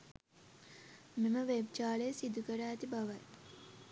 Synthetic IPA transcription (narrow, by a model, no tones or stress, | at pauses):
meməʋebt͡ʃaːɭejəsid̪ukəɾaːt̪ibaʋaj